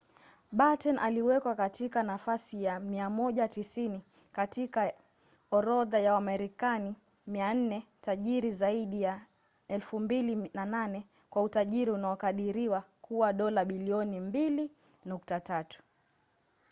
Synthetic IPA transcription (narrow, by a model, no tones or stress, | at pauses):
ɓatɛnʔaliwɛkwakatikanafasijamiamɔʄatisini | katika | ɔɾɔðajawamɛɾikani | mian̩nɛtaʄiɾizaiɗija | ɛlfumbilinananɛ | kwautaʄiɾiunaɔkaɗiɾiwakuwaɗɔlaɓiliɔnimbili | nuk̚tatatu̥